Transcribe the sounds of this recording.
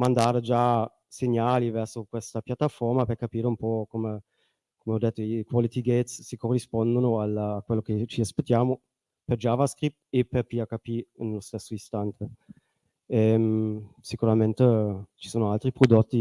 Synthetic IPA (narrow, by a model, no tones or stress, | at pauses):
mand̪aːɾed͡ʒa | seɲːaːlivɛrsokwest̪apjat̪ːafɔrmaperkapiːɾeumpɔkome | komeɔd̪ːet̪ːoikwalit̪iɡet̪ssikorːispɔnd̪onoalaːkwelːok̟et͡ʃiaspet̪ːjaːmo | perd͡ʒaːvaskɾip̚t̪eperpiakapinlost̪esːoist̪ant̪ʰe | ɛmsikuɾament̪et͡ʃi̥soːnoalt̪ɾipɾod̪ot̪ːi